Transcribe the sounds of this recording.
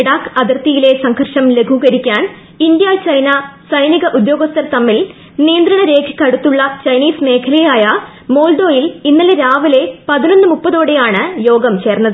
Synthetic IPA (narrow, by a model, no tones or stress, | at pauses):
ɽaːkɐðɐrt̪ijile̞sɐŋɡʱɐrʂɐmle̞ɡʱuɣɐɾikʲːaːn | ind̪jaːt͡ɕɐjnɐsɐjniɣɐʔud̪jo̞ːɡɐst̪ʰɐɾt̪ɐmːil | nijɐnd̪ɾɐɳɐɾe̞ːkʰi̥kʲːɐɽut̪ːuɭːɐt͡ɕɐjniːsme̞ːkʰɐlɐjaːjɐ | mo̞ːlɖ̪o̞ːjilinːɐleɾaːʋile̞pɐðino̞nːɨmupːɐðo̞ːɽejaːɳɨjo̞ːɡɐmt͡ɕe̞ːrnːɐðɨ